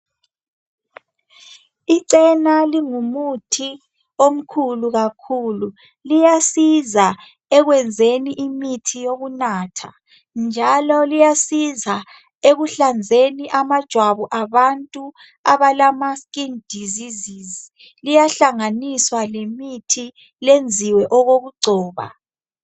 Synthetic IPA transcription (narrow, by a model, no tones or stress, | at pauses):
iǀɛnaliŋumutʰi | om̩kʰuluɣakʰulu | lijasiza | ɛɣwɛnd͡zʱeniʔimitʰijoɣunaːtʰa̰ | nd͡ʒʱalɔlijasiza | eɣuɬand͡zʱeniʔamad̥ʒ̥ʱwaβuʔaβantʼu | aβalamaskʼind̥ʱizizizi | lijaɬaŋaniswalemitʰi | lend͡zʱiwɛʔɔɣoɣuǀʱɔːβa̰